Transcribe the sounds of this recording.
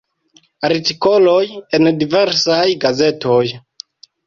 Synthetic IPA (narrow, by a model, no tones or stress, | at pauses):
aɾtiko̞lojendiveɾsajɡaze̞toj